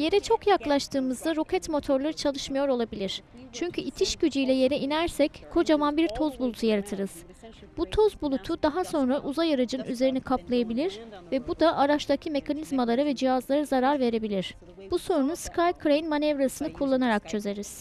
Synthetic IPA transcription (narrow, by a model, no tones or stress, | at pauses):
je̞ɾɛt͡ʃʰo̞kjaklˠaʃt̪ʰɯːmɯzd̪aɾo̞kʰɛt̪mo̞t̪ʰo̞ɾlˠaɾɯt͡ʃʰalˠɯʃmajo̞ɾo̞lˠabilʲiɾ̥ | t͡ʃʰyɲcʰyit̪ʰiʃɟyd͡ʒyjlʲɛje̞ɾɛinæɾsɛckʰo̞d͡ʒamanbiɾt̪ʰo̞zbulˠut̪ʰujaɾat̪ʰɯɾɯz̥ | b̥ut̪ʰo̞zbulˠut̪ʰud̪aɦaso̞nɾaʔuzajaɾɯd͡ʒɯnyze̞ɾinikʰaplˠajabilʲiɾvɛbud̪aʔaɾat͡ʃt̪ˠacʰime̞kʰanizmalˠaɾavɛd͡ʒihazlˠaɾazaɾaɾve̞ɾe̞bilʲiɾ̥ | b̥uso̞nnuskʰajkʰɾajinmanɛvɾasɯnɯkʰulˠːanaɾak̚t͡ʃʰø̞ze̞ɾiz̥